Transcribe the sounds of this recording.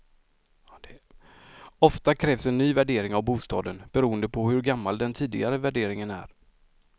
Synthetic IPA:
ɔft̪akʰɾɛːvsɛnːyːvæɖeːɾɪŋavbuːst̪ɑ̰ːd̪ənb̥ɛɾuːənd̪əpʰɔɦɵɾɡamːald̪ɛnt̪ʰiːd̪ɪɡaɾəvæɖeːɾɪŋənæ̰ɾ

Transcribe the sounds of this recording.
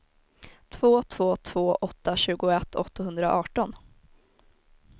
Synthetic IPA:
t̪ʰv̥oːt̪ʰv̥oːt̪ʰv̥oːʔɔt̪ːaɕʉ̟ːɡʊɛt̪ʰːɔt̪ːahɵnd̪ɾaʔɑːʈɔn

